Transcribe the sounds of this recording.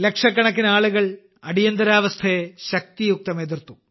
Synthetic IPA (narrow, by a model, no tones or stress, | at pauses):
lekʂɐkːɐɳɐk̬ːinaːɭuɣɐɭ | ɐɽijɐnd̪ɐɾaːʋɐst̪ʰɐeɕɐk̚t̪ijuk̚t̪ɐmed̪irt̪u